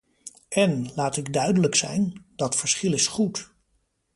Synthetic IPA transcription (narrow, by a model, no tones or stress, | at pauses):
ɛnlaːtɪɡdœɥdələksɛ̰jndɑtfəɹsχɪlɪsχut